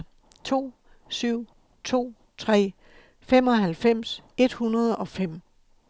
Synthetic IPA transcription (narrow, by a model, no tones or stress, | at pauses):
t͡sʰo̝̰ː | syʊ̰ | t͡sʰo̝̰ː | t͡sʰʁɛ̰ː | fem̰ɒ̽ɦælfem̰se̝d̥hunɐðˠɒ̽fem̰